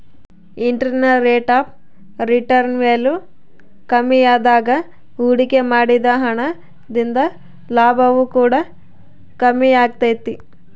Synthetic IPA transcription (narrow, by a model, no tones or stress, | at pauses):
iɳʈɾinɐɾeːʈaːp̚ | ɾiʈɐɾnʋeːlu | kɐmːijaːd̪aːɡɐ | uːɽikemaːɽid̪ɐɦɐɳɐ | d̪ind̪ɐ | laːbʱɐʋukuːɽɐ | kɐmːijaːɡ̚t̪ɐjt̪ːi